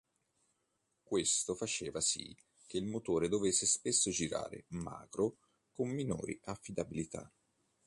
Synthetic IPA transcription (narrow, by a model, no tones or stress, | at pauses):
kwest̪ofat͡ʃeːvasḭ | k̟eilmot̪oːɾed̪ovesːespesːod͡ʒiɾa̰ːɾḛma̰ːkɾo | komːino̰ːɾḭʔafːid̪abilit̪ʰa̰